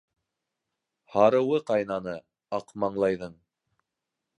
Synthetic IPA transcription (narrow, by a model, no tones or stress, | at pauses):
hɑɾɤ̆wɤqɑjnɑnɤ | ɑqmɑɴlˠɑjðɤɴ